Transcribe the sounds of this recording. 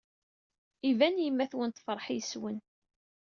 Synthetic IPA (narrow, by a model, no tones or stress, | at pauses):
ivænjəmːæθwənt̪fəɾˤħijswən